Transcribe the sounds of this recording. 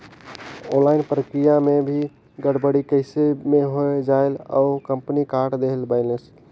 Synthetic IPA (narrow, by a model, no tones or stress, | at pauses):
õnlaɪnpɾəkɾijamebʱi | ɡəɽbəɽikəɪsemeɦoed͡ʒaela̰ukəmpnikaɾʈd̪eɦlbəɪləs